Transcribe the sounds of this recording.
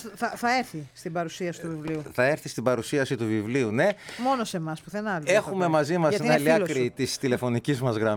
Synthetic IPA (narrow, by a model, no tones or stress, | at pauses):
θɐθɐeɾθist̪ibɐɾusiɐsit̪uvivliuθɐe̞ɾθist̪ibɐɾusiɐsit̪uvivliune̞mo̞nose̞mɐspuθenɐle̞xume̞mɐzimɐsnɐliɐlkɾit̪ist̪ile̞fo̞nicizmɐzɣɾɐm